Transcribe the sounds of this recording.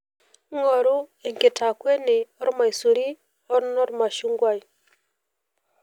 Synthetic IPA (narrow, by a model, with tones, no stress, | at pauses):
ŋo˨ɾu˦e˨ŋke˨tʰa˨kwe˦ni˨o˦ɾi˦ma˨isu˨ɾi˦ | o˦ɾi˦no˦ɾi˦ma˨ʃu˦ŋɡwa˦ji